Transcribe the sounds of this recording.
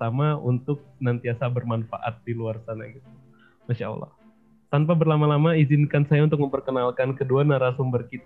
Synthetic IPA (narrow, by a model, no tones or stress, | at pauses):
amaunt̪ʊk̚nant̪iasabərmanfa̰ʔa̰t̪̚diluarsana̰ɡit̪̚u | maʃaɔ̰lːɑ̰h | t̪anpabərlamalamaizɪnkansajaunt̪ʊk̚məmpərkənalkankəduanaɾasumbərkit̪a